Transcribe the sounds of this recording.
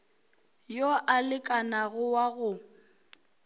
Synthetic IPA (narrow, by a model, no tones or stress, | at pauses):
joʔalɪkʼanaɣʊwaɣʊ